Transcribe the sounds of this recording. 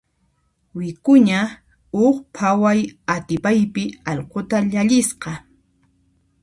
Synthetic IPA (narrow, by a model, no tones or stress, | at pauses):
wɪkʊɲa | ʊχpʰawajat̪ɪpajpɪɑʎqot̪aʎaʎɪsqɑ